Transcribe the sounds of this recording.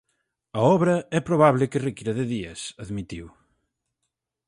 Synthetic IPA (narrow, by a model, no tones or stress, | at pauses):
ɐɔβɾɐɛpɾoβ̞aβlɪkɪrekiɾɐðɪðiɐsɐðmit̪iw